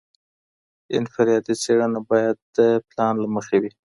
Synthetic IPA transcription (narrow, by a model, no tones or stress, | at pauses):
ɪ̰nfɪɾjɑd̪it͡seɽənabɑjad̪̚d̪əplɑnlaməxewi